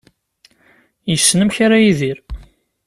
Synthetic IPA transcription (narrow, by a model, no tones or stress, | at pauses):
jəsːnəmçaɾajiðiɾ